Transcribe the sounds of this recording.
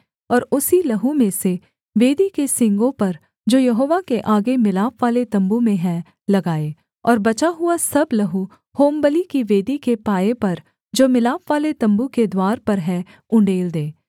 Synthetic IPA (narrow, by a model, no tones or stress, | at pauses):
ɔːɾʊsilɐɦũmẽse | ʋeːd̪ikesɪ̃ŋɡõpɐɾ | d͡ʒoːjɐɦoːʋakeʔaːɡemɪlaːpʋaːlet̪ɐ̃mbumẽɦɛ̃ | lɐɡaːe | ɔːɾbɐt͡ʃaɦʊasɐblɐɦu | hoːmbəlikiʋeːd̪ikepaːepɐɾ | d͡ʒoːmɪlaːpʋaːlet̪ɐ̃mbuked̪waːɾpɐɾɦɛ̃ | ʊ̃ɳɖeːld̪eː